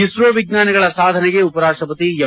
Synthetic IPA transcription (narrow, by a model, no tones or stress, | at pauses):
isɾɐʋiɡ̚naːnɐɡɐɭɐsaːd̪ʱɐnɛɡeupɐɾaːʂʈɾɐpɐt̪iɐ